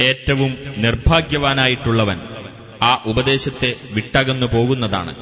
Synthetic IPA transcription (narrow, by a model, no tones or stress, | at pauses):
e̞ːtːɐʋumnirbʱaːɡjɐʋaːnaːjiʈːuɭːɐʋɐn | aːʔubɐd̪e̞ːɕɐt̪ːe̞ʋiʈːaːɣenːupo̞ːɣunːɐða̰ːɳɨ̰